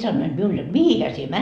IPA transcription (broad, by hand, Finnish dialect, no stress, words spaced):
sɑnːoid̥ miul jot mihihæ sie